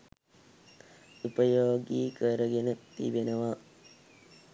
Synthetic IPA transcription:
upəjoːɡiːkəɾəɡenət̪ḭbenəʋa

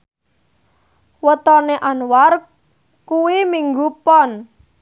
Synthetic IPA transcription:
wət̪ɔneʔanwar | kuwimiŋɡupɔn

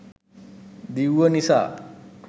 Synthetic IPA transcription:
d̪iwənisa̰

